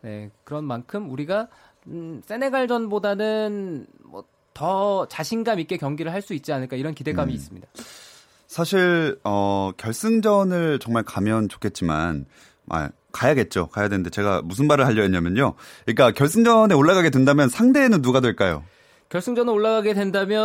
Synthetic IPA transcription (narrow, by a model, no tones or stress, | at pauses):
ne̞̰kɯɾʌnmankʰɯmuɾiɡa | s͈e̞neɡaɭd͡ʑʌnbodanɯnmʌ̰ | tʌt͡ɕaɕʰinɡamik͈e̞kjʌŋɡiɾɯɭhaɭs͈uit̚t͡ɕ͈ianɯɭk͈aiɾʌnkide̞ɡamiːs͈ɯmɲida | sʰaɕʰiɭʌkjʌɭs͈ɯŋd͡ʑʌnɯɭt͡ɕʌŋmaɭkamjʌnt͡ɕo̥kʰe̞t̚t͡ɕ͈ima̰n | ʔa̰ | kajaɡe̞t̚t͡ɕ͈okajadenɯndet͡ɕe̞ɡa̰musʰɯnbaɾɯɭɦaʎːʌeɲamjʌnɲoɲik͈akjʌɭs͈ɯŋd͡ʑʌneoɭːaɣaɡe̞dwendamjʌnsʰaŋde̞ːnɯnːuɡadwe̞ɭk͈ajo̰ | kjʌɭs͈ɯŋd͡ʑʌnɯɾoɭːaɡaɡe̞dwendamjʌ